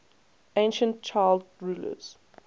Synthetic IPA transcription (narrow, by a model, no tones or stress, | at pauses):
ẽɪ̃nʃə̃ntt͡ʃʰaɪldɹuːlə̰z̥